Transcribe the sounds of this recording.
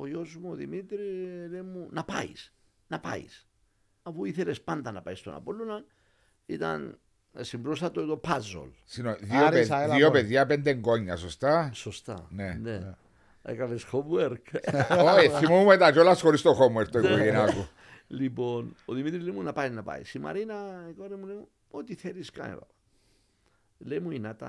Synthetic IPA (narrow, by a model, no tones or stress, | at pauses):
ojosmoðimit̪ɾilemunapa̰js | napa̰js | afuiθeɾespant̪anapajst̪ona̰poluna | it̪a̰n | esimpɾos̬at̪ot̪opazo̰l | sinoðjopejopeðjapend̪eŋkoɲasost̪asost̪a̰nene | a̰jkalesxomweɾkojθimomet̪ad͡ʒolaskoɾist̪oxomweɾt̪ojkoenako | liponoðimit̪ɾilimunapajnapa̰j̰sima̰ɾinakoɾemulimu | ot̪iθeɾiska̰ḛβa̰pa | lemuinat̪a̰